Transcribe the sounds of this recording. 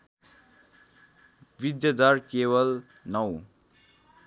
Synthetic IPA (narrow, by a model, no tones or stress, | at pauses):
ʋid̪jʌd̪ʌɾkewʌl | nʌw